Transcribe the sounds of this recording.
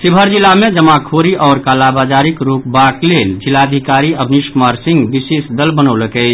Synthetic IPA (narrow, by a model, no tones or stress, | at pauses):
sɪbʱəɾd͡ʒɪlamẽd͡ʒəmakʰoːɾiʔɔːɾkaːlabaːd͡ʒaːɾikɾuːp̚baːkleːld͡ʒɪlad̪ʱikaːɾiəbʱniʃmaɾsɪ̃ŋɡbiseːsd̪əlbənoləkɛ